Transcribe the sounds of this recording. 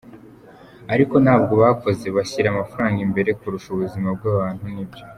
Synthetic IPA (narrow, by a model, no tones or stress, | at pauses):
aɾiko̞nhaːb̚ɡo̞βako̞ze̞βaɕiɾamafaɾaːŋɡimbe̞ɾe̞kuɾuʃuβuzimabɡwaːβaːn̥hunibɟo̞